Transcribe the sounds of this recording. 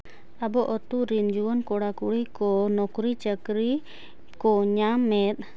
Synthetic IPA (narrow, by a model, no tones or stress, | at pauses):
abɔʔɔt̪uɾind͡ʒuwənkɔɽakuɽikɔnɔkɾit͡ʃəkɾi | kɔɲamːɛt̪̚ˀ